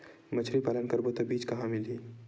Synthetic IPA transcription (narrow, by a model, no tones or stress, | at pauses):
mət͡ʃʰɾipaːlənkəɾbot̪əbiːd͡ʒkɐɦãmɪli